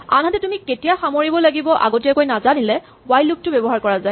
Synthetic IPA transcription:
a̰nɦatɛtumiketijaxamoɹibɔlaɡibɔʔa̰ɡotiɛkojnazanilɛ | ɡwajluk̚tʊbɛbɔɦaɹkɔɹazaɪ

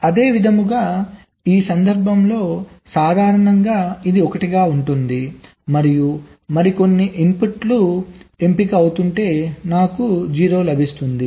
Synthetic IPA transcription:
ɐd̪e̞ːʋid̪ʱɐmuɡaː | iːsɐnd̪ɐɾbʱɐmlo̞ːsaːd̪ʱaːɾɐɳɐŋɡaːid̪iɔkɐʈiɡaːuɳʈund̪i | mɐɾiju | mɐɾiko̞nːiʔimpuʈlue̞mpikiɐwut̪uɳʈe̞ːnaːkud͡ʒiːɾo̞ːlɐbʱist̪und̪i

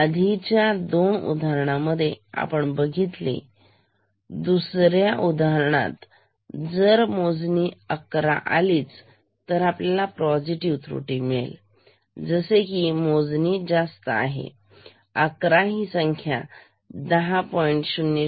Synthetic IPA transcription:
əd̪ʱit͡ɕjad̪onṵd̪ʱaɾɳaməd̪ʱːjea̰pəɳbəɡʱit̪lḭ | d̪usɾjaʔud̪ʱaəɾɳa̰t̪ | d͡zəɾmod͡zniəkɾa̰ʔa̰liːt͡s | t̪əɾapljalapɾɔd͡ziʈiʋt̪ɾṵʈimɭḛl | d͡zəsekimod͡znid͡zast̪əa̰ɦḛ | əkɾaɦisəŋkʰja̰ | d̪əɦapɔiɳʈɕunːi

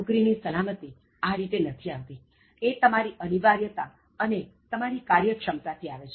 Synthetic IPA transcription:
ukɾinisəlamət̪i | aɾit̪enət̪ʰiaʋt̪i | et̪əmaɾiʔəniʋaɾjət̪a | ənet̪əmaɾikaɾjəkʃəmt̪at̪ʰiaʋet͡ʃʰ

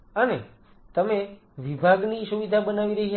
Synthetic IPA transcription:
əne | t̪əme | ʋibʱaɡniʃuʋid̪ʱabənaʋiɾəɦi

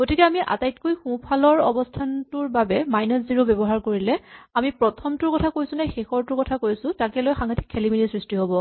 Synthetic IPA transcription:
ɡ̥otikɛamiʔa̰tajtkojxũpʰalɔɹɔ̰bɔstʰantʊɹbabɛmajnɔsziɹobɛbɔɦaɹkoɹilɛamipɹɔtʰɔmtʊɹkɔtʰakojsʊ̃nɛxexɔɹtʊɹkɔtʰakojsʊ̃takɛlojxaŋɡati̥kʰːelimilisɹistiɦobɔ

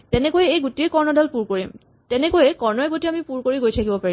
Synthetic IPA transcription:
tɛnɛkojɛejɡutiekɔɹnɔdalpuɹkoɹim | tɛnɛkojɛkɔɹnɔɛɡutiamipuɹkoɹiɡojtʰakibɔpaɹi

